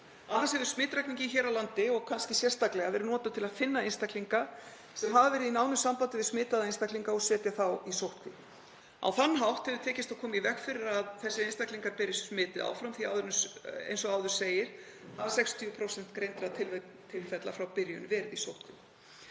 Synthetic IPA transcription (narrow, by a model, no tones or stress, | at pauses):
aðhansɛvʏɾ̥smɪːt̪ɾakniɲcɪçɛːɾawlant̪ɪɔɣkʰanscɪsjɛr̥st̪aklɛɣavɛːɾʏnɔːt̪at̪ʰɪlaðfɪnːaenst̪akliŋka | sɛmɦavavɛːɾɪðinaːwnʏsampant̪ɪvɪðsmɪːt̪aðaenst̪akliŋkaɔsɛːt̪jaθawisowht̪kʰvɪ | a̰wθanːɦawht̪hɛvðʏt̪ʰɛːcɪst̪akʰɔːmaivɛkfɪɾɪɾaðθɛsːɪenst̪akliŋkaɾpɪɾɪssmɪːt̪ɪa̰wfɾamθiaːwðʏɾnʏḛjnsɔaːwðʏ̥seːjɪɾ̥ | aðsɛkst̪ʰiːpʰɾowsɛn̥t̪kɾejnt̪ɾat̪ʰɪl | t̪ʰɪlfɛt̪lafɾawpɪɾjʏnvɛːɾɪðisowht̪kʰvɪ